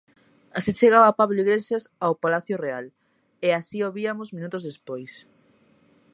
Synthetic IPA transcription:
asit͡ʃeɣaβapaβloiɣleʃasawpalaθjʊreal | easioβiamʊzmĩnut̪ʊzðespojs

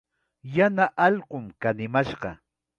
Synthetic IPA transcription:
janaʔɑʎɢʊmkanɪmaʃɢɑ̰

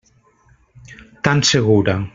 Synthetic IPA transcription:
t̪anseɣuɾa

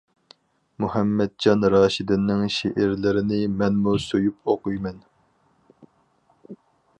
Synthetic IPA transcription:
muhɛmːɛd̪̚d͡ʒɑnɾɑːʃid̪ɪnːɪŋʃeʔɪɾlɪɾɪnɪmɛnmusojup̚oqujmɛn

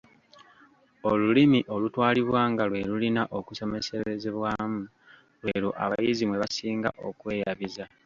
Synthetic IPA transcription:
o̞lulimiʔo̞lutwaːliβwaːŋɡalwe̞lulinaʔo̞kuso̞me̞seɾezeβwaːmu | lwe̞ɾuʔa̰βajizimwe̞βasiːŋɡa̰ʔo̞̰kwe̞ːjaβiza

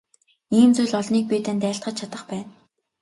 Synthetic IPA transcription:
iːmt͡sujɮɔɮniːk̚pʲiːt̪ænt̪æːɬt̪χə̆t͡ɕ̚t͡ɕʰat̪ə̆χpæːn

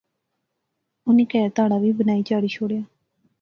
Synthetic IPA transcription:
ʊniːkɛːɾt̪aːɽaʋiːbənaːiːt͡ʃaːɽiːʃʰoːɽjaː

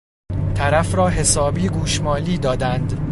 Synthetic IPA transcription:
t̪ʰæɾæfɾɒːɦe̞sɒːbiːɡuːʃmɒːliːd̪ɒːd̪ænd̪

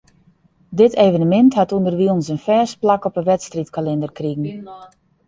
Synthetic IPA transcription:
dɪteːvənəmɛnthatundərʋiɔnsənfɛːs̚plakɔpəʋɛtstritkalɪndərkriɣən̩

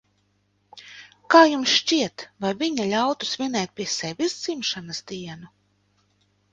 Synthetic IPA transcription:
kaːjumsʃt͡ʃiɛt̪vajviɲalʲawt̪u̥smʲinɛːjt̪̚pʲiɛsɛvʲizd̪z̥imʃanasd̪iɛnu

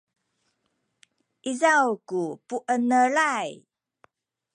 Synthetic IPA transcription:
ʔizawkupuʔənəɭaj

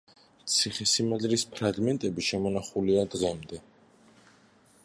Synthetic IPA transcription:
t̪sʰiχɛsimazɾispʰɾaɡmɛnt̪ʼɛbiʃɛmɔnaχuliad̪ʁɛmd̪ɛ

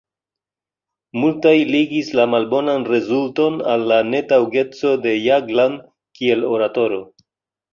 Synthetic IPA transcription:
multajliɡislamalbo̞nanre̞zulto̞nalːane̞tawɡe̞t͡so̞de̞jaɡland | kie̞lo̞ɾato̞ɾo̞

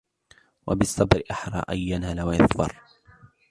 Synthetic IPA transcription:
wa̰bɪsˤːɑbɾɪʔaħɾˤɑ̰ːʔajːanalawajɑðbɑ̰ɾˤ

